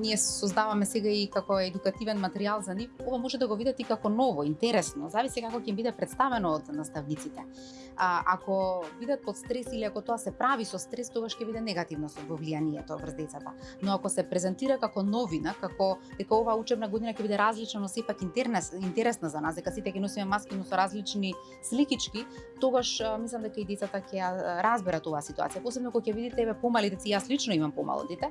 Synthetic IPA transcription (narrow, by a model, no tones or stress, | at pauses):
niɛsɔzd̪avamɛsɛɡaikakɔɛd̪ukat̪ivɛnmat̪ɛɾialˠzanifovamoʒɛd̪aɡɔvid̪at̪ikakɔnɔvɔint̪ɛɾɛsnɔzavislɛkakɔcɛimbid̪ɛpɾɛt̪st̪avɛnɔːd̪nast̪avnit̪sit̪ɛ | ʔakɔvid̪at̪̚pɔt̪st̪ɾɛsiliakɔt̪oasɛpɾavisɔst̪ɾɛst̪oɡaʃcɛbid̪ɛnɛɡat̪ivnɔvɔvlianiɛt̪ɔvr̩zd̪ɛt̪sat̪a̰ | nɔakɔsɛpɾɛzɛnt̪iɾakakɔnɔvinakakɔd̪̥ɛkaovaːut͡ʃɛbnaɡod̪inacɛbid̪ɛɾazlit͡ʃnanɔsɛpakint̪ɛɾnɛsint̪ɛɾɛsnazanasd̪ɛkasit̪ɛkɛnosimɛmaskinɔsɔɾazlit͡ʃni | slikit͡ʃkit̪oɡaʃmislˠamd̪ɛkaid̪ɛt̪sat̪akɛjaɾazbɛɾat̪ovaːsit̪ua̰t̪sijaposɛbnɔakɔcɛvid̪it̪ɛɛvɛpomalid̪ɛt̪ijaslit͡ʃnɔimampoma̰lˠɔ̰d̪ɛt̪ɛ